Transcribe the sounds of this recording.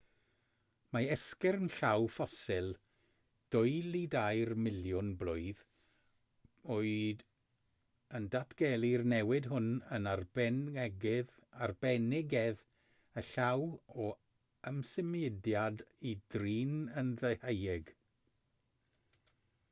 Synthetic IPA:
maɛskɛrnɬawfɔsɪlˠ | d̥ʊɨlˠidajrmɪlˠjʊnblˠʊɨð | oːɨd | əndatʰɡ̥ɛlˠirnɛwɪdɦʊnənarbɛnɛɡɪðarbɛnɪɡɛð | əɬawɔ | əmsɪmiɪdjadidriːnənðehejɪɡ

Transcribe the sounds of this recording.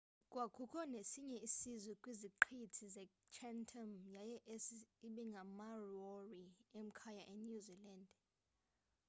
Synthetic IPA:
kʼwakʰʼukʰʼɔnesiɲɛisizwɛkʼwiziǃʰitʰizɛt͡ʃʰɛntʰɔmjajɛʔesiɓɛŋɡʱamaroriem̩kʰajaʔenuziland

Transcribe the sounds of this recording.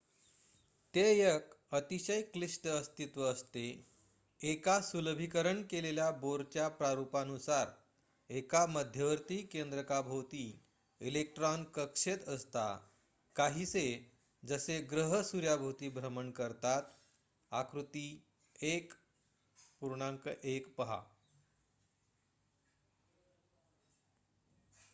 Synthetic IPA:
t̪ejək | ət̪iɕəjklisʈəst̪it̪ʋəːst̪e | ekasuləbʱikəɾəɳkeleljaboɾt͡ɕjapɾaɾupanusaɾ | ekaməd̪ʱjəʋəɾt̪iːkend̪ɾəkabʱot̪i | ilek̚ʈɾɔnkəkʂet̪əst̪a̰ | kaɦiːse | d͡zəseɡɾəɦəsuɾjabʱot̪iːbʱɾəməɳkəɾt̪at̪ | akɾut̪i | ek | puɾɳãŋkəʔekpəɦa̰

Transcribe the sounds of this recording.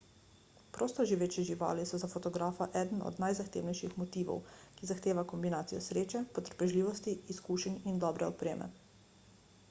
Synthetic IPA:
pɾoːst̪ɔʒiʋeːt͡ʃiʒiʋa̰ːlisɔzafɔt̪ɔɡɾaːfaʔɛd̪ən̩ɔ̰d̪najzaxt̪ḛːwnɛjʃixmɔt̪iːʋɔ̰wkizaxt̪eːʋakɔmbinaːt̪sijɔ̰sɾeːt͡ʃɛpɔt̪ə̥ɾpɛʒliːʋɔst̪iːskuːʃɛnind̪ɔːbɾɛɔpɾeːmʔɛ̰

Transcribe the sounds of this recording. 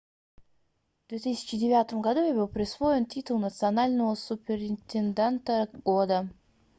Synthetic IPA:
vd̪vʲet̪ɨsʲɪ̥t͡ɕɪdʲɪvʲat̪əmɡɐd̪ujabɨlˠpɾʲɪsvo̞jɪntʲit̪ʊlˠnət̪sɨɐnalʲnəvəsʊpʲɪɾɪnʲt̪ʲɪnd̪ʲent̪əɡod̪ə

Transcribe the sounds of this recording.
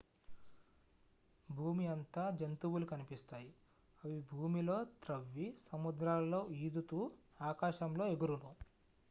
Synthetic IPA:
bʱuːmiɐnt̪aːd͡ʒɐnt̪uwulukɐnipist̪aːji | ɐʋibʱuːmilo̞ːt̪ɾɐʋːisɐmud̪ɾaːlːo̞ːiːd̪ut̪uːaːkaːʃɐmlo̞ːeɡuɾunu

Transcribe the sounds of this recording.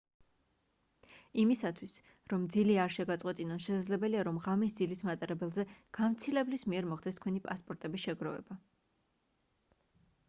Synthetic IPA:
imisat̪ʰwis | ɾɔmd̪ziliaɾʃɛɡat̪sʼqʼwɛt̪ʼinɔnʃɛsad̪zlɛbɛliaɾɔmʁamis̬d̪zilismat̪ʼaɾɛbɛlˠzɛɡ̥amt̪sʰilɛblismiɛɾmɔχd̪ɛst̪̚ʰkʰwɛnipʼaspʼɔɾt̪ʼɛbisʃɛɡɾɔvɛ̰ba

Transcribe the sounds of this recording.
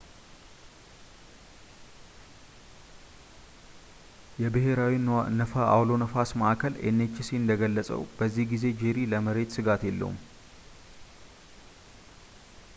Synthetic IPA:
jɛbɨɦe̞ɾawinnəfəa̰wlo̞nəfasməʔakʰəlʔḛnːet͡ʃːɪsiɨnd̪əɡəlːəsʼə̰wb̥əzːihɡize̞d͡ʒeɾiləməɾe̞t̪sɨɡat̪jelːə̰ṵm

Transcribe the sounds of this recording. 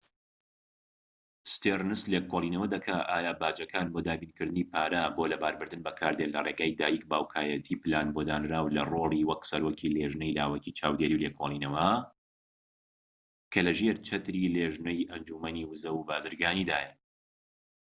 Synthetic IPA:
st̪ernɨslekʰolˠiːnɐwɐd̪ɐkʰaʔaːjaːbaːd͡ʒɐkʰaːnbod̪aːbiːnkɨɾd̪ɨniːpʰaːɾaboːlɐbaːɾbɨɾd̪ɨnbɐkʰaːɾd̪elɐreːɡaːjd̪aːjik̚baːwkʰaːjɐt̪ʰipɨlaːnbod̪aːnɾaːwlɐ̰roːliwɐksɐɾoːkʰileʒnɐjlaːwɐkit͡ʃʰa̰ːwd̪eɾiwlekʰoːlˠiːnɐwɐ | kʰɐlɐʒeɾt͡ʃʰɐt̪ɾileʒnɐjʔɐnd͡ʒumɐniwɨzɐwubaːzɨɾɡaːnid̪aːjɐ

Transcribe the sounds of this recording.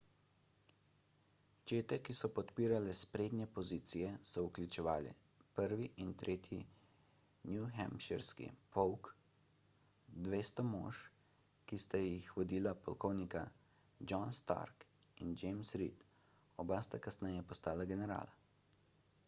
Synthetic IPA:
t͡ʃeːt̪ɛkisɔpɔt̪piːɾalɛspɾeːd̪nʲjɛpɔziːt̪sijɛsɔuklʲut͡ʃɛʋaːlɛ̰ | pəɾʋiʔint̪ɾʔeːt̪jḭ | njuxɛ̰mpʃɛɾskḭpɔwk | d̪ʋeːst̪ɔmo̰ːʃ | kist̪ajixʋɔd̪iːlapɔlkɔwnika | d͡ʒɔnst̪a̰ɾk | ind͡ʒɛmsɾḭt̪ | ɔbast̪akasnɛjɛpɔst̪aːlaɡɛnɛɾa̰ːla

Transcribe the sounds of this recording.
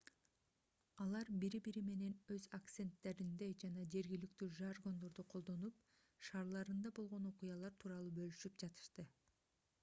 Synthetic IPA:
ɑlˠɑɾbiɾibiɾime̞ne̞nøzakt̪se̞nt̪ːe̞ɾind̪e̞d͡ʒɑnɑd͡ʒe̞ɾɡilik̚t̪yːʒarɡo̞nd̪o̞ɾd̪uqʰo̞lˠd̪o̞nup̚ | ʃɑːɾlˠɑɾɯnd̪ɑbo̞lˠʁo̞noqujɑlˠɑɾt̪ʰuːɾɑlˠuːbø̞lyʃyp̚d͡ʒɑt̪ɯ̥ʃt̪ɯ

